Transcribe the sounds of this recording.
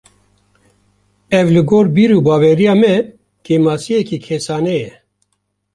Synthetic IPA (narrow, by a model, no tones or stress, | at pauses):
ɛvlɨɡoːɾbiːɾuːbɑːwɛɾijaːmɛ | keːmaːsijɛkiːkʰesɑːnɛjɛ